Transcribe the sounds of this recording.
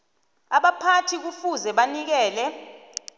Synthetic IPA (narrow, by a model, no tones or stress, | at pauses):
aɓapʰatʰik̬ufuzɛɓanik̬ɛːlɛ